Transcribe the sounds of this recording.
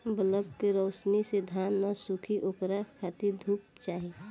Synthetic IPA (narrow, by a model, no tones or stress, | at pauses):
bələbkeɾəːsnised̪ʱanːasukʰiʔoːkɾakʰat̪id̪ʱuːp̚t͡ʃaːɦi